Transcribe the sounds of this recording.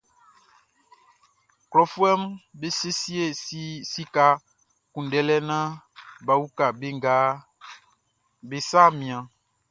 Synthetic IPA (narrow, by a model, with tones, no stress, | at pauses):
klɔ˨fu˦ɛ˦mbe˦se˦si˦e˦˨˦si˦ka˦ | kũ˨n˨ɖɛ˦lɛ˦nã˦ | ba˨wu˦ka˨be˦ŋ˦ɡaː˦ | be˨sa˦mĩ˨ã˨